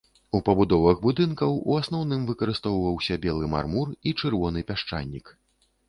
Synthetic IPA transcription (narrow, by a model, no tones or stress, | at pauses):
upɐbud̪ɔvɐɣbud̪ɨnkɐwuasnɔwn̪ɨmvɨkɐɾɨst̪ɔwvɐwsʲɐbʲɛlˠɨma̰rmurit͡ʂɨrvɔnɨpʲaʂt͡ʂa̰nʲːik